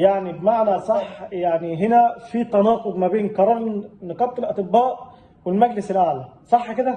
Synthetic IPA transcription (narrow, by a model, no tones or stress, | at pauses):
jaʕnibmaʕnæsˤɑħjaʕniɦɪnæfiːt̪ænɑːqʊb̪ˤmæbeːnkɑɾˤɑːɾnɑqɑb̚t̪ːˤɪlʔɑt̪ˤɨbːæːʔ | wɪlmæɡlɪsɪlʔaʕlæsˤɑħːkɪd̪æ